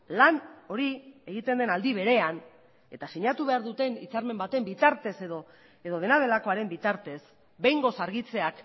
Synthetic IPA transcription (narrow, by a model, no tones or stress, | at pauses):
lano̞ɾie̞ɣ̞it̪e̞nd̪enald̪iβ̞e̞ɾe̞an | e̞t̪asiɲat̪uβ̞e̞aɾðut̪e̞nit͡saɾme̞mbat̪e̞mbit̪aɾt̪e̞se̞ðo | eðo̞ðe̞nað̞e̞lakoaɾe̞mbit̪aɾt̪e̞s | be̞jŋɡo̞saɾɣit͡se̞ak